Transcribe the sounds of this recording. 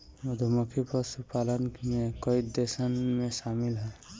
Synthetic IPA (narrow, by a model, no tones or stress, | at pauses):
mɔd̪ʱɔmɔkʰipɔsupalɔnkʰinekɔjd̪esanmesamilɦɔ